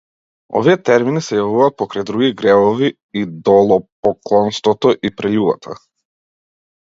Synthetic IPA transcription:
ɔ̰viɛt̪ɛɾminisɛjavuvaːt̪̚pɔkɾajd̪ɾuɡiɡɾɛvɔviː | d̪ɔlˠɔpɔklˠɔnst̪vɔt̪ɔʔipɾɛʎuba̰t̪ʰa̰

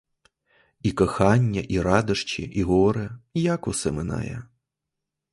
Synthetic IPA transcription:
ikɔxɑnʲːɐʔiɾɑd̪ɐʂt͡ʃḭʔiɣɔɔɾɛjakʊsɛmɪna̰jɛ̰

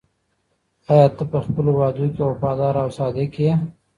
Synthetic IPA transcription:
ɑjɑt̪əpəxpəlowɑd̪okewapɑd̪ɑɾawsɑd̪eke

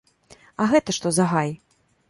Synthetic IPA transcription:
ɐɣɛt̪ɐʂt̪ɔzɐɣaj

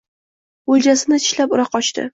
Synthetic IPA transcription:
olˠd͡ʒasɪnɪt̪ʰɪ̥ʃlapʊɾɑqɒt͡ʃt̪ɪ̰

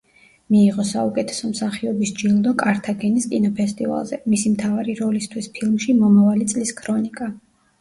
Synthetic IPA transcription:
miːʁɔsaukʼɛt̪ʰɛ̥sɔmsaχiɔbisd͡ʒilˠd̪ɔkʼaɾt̪ʰaɡɛniskʼinɔpʰɛst̪ʼḭva̰lˠzɛ̰misimt̪ʰavaɾiɾɔlist̪ʰwispʰilˠmʃimɔmavalit̪sʼliskʰɾɔnikʼa

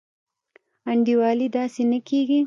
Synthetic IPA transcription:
aɳɖiwɑlid̪ɑːsenəkeɡi

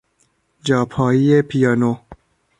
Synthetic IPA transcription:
d͡ʒɒːpʰɒːiepʰijɑːno

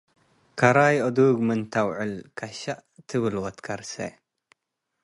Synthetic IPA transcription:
kʰaɾajʔɔd̪uɡmɨnt̪ʰawʕɨlkʰaʃaʔt̪ʰɨβɨlwɐt̪kʰaɾsɐ̰

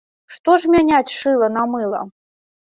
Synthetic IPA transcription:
ʂt̪ɔʐmʲanʲat͡sʲʂɨlˠɐnɐmɨlˠɐ̰

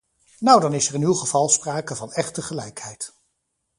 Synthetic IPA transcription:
nawdɑnɪsɛɹɪnylˠχəv̥ɑlˠspraːkəvɑnɛχtəχəlɛjkhɛjt

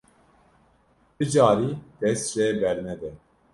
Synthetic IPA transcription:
bɨd͡ʒɑːɾid̪̥ɛst̪reːbɛɾnɛd̪ɛ

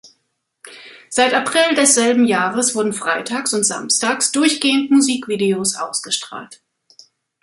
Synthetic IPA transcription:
z̥aɪtapʁ̥ɪldɛsz̥ɛlbm̩jaːʁəsv̥ʊɐdn̩fʁ̥aɪtʰaːksʊntz̥a̰mstaːksd̥ʊɐçɡ̥eːəntmuziːkv̥iːdeoːsʔa̰ʊsɡ̥əʃtʁ̥a̰ːlt

